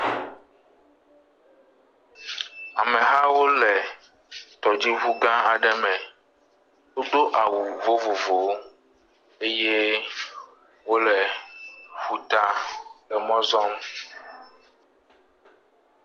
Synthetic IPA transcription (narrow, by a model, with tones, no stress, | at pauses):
a˨mẽ˨ɦa˦wo˦lɛ˨ | t̪ɔ˨d͡ʑi˦βu˦ɡã˦a˨ɖɛ˦mɛ̃˨ | wo˦d̪o˦ʔa˨wu˨vo˦vo˨vo˨˦ | e˦je˦ | wo˦lɛ˨ | ɸu˨t̪a˦lɛ˨mɔ̃˦zɔ˦m